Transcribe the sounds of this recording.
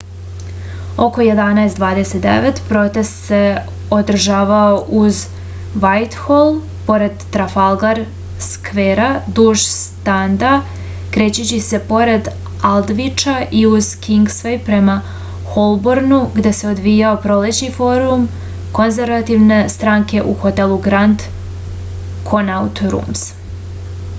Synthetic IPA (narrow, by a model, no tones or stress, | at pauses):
o̞ko̞je̞d̪anaest̪d̪ʋaːd̪ese̞t̪̚d̪ḛʋe̞t̪pɾo̞t̪e̞st̪se̞ | o̞d̪r̩ʒaːʋaoʔuz | ʋajt̪xolˠ | po̞ɾe̞d̪ːɾafalˠɡaɾ | skʋeːɾad̪uʒst̪and̪a | kɾe̞ːt͡ɕut͡ɕise̞po̞ɾe̞d̪ | alˠd̪ʋit͡ʃaʔiuz̥kiŋɡsʋejpɾema | xo̞lˠboɾnuɡd̪e̞se̞o̞d̪ʋijaopɾo̞let͡ɕnifo̞ːɾum | ko̞nzeɾʋat̪iʋne̞st̪ɾaːŋke̞ʔuxo̞t̪elˠuɡɾand̪ | kʰonaut̪ɾṵms